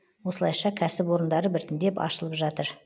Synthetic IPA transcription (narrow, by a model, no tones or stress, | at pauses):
wo̞səlˠɑjʃɑkʲʰæsɪpwo̞ɾənd̪ɑɾəbɪɾt̪ɪnd̪e̞pɑ̰ʃəlˠəpʒɑt̪əɾ